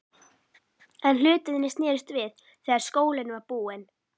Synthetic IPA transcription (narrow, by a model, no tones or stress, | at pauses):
ɛnl̥ʏːt̪ɪðɪnːɪst̪nɛːɾʏst̪vɪθ | θɛːɣaɾ̥skoːwlɪnʏvaɾpuːɪn